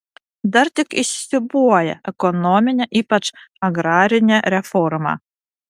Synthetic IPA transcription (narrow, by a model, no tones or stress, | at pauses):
d̪ɐɾt̪ʲɪkɪʃʲsʲɪbuɔjɛ̰ɛkɔnɔmʲɪnʲɛʔiːpɐt͡ʃɐɡɾɑːɾʲɪnʲɛɾʲɛfɔɾmɑ̰